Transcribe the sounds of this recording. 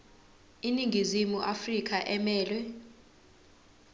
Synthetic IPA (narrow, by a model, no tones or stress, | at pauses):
iniŋɡizimuʔafrikʰaʔɛmɛːlwɛ